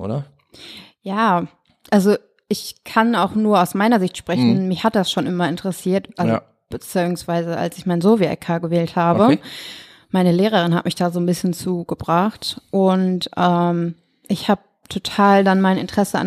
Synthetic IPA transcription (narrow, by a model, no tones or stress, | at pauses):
ʔo̰ːɾɐ | jaː | ʔalzo | ʔɪçkʰanaʊxnuːɐaʊsmaɪnɐzɪçtʃpʁ̥ɛçn̩mɪçhat̚d̥asʃoːnʔɪmɐɪntəʁəsiːɐtʔalzo | b̥ət͡siʊŋsv̥aɪzəa̰lsɪçmaɪnzoːviaʔɛ̰kʰaːɡəvɛːlthaːbə | maɪnəleːʁ̞əʁ̞ɪnhatmɪçd̥aːzoːnbɪsçənt͡suːɡəbʁaχtʔʊntʔɛːm | ʔɪçhaːb̚ | tʰotʰaːldanmaɪnɪ̰ntəʁ̥ɛsəa̰n